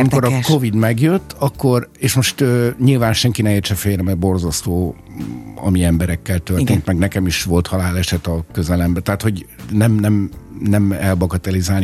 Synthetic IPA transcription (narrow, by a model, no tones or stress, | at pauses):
miko̞ɾɒkovid̪mɛɡjøt̪ːɒkːo̞reːʃmo̞ʃt̪øːɲilvaːnʃɛŋkinɛmeːrt̪ʃɛfeːɾɛmɛrbo̞rzɒst̪oː | ɒ̰miɛmbɛɾɛkːɛlt̪øreːnt̪mɛɡnɛkɛmiʃʋo̞lt̪hɒlaːlɛʃɛt̪ɒkø̞zɛlɛmbɛt̪ɛɦaːt̪ho̞ɟnɛmnɛmnɛmɛlbɒɡɒt̪ɛlizaːli